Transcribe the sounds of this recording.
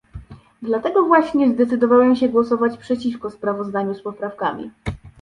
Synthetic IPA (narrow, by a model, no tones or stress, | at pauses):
d̪lat̪ɛɡɔvwaɕɲɛzd̪ɛt̪sɘd̪ɔvawɛmɕɛɡwɔsɔvat͡ɕpʂɛt͡ɕifkɔspɾavɔzd̪aɲuspɔpɾafkamʲḭ